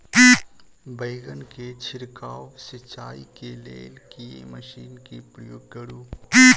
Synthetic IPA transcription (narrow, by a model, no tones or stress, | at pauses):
i | bɐɪɡənket͡ʃʰɪɾkaːwsɪt͡ʃːaːikelḛːlkiḛmɐʃiːnkepɾɐjoːɡɡɐɽuːi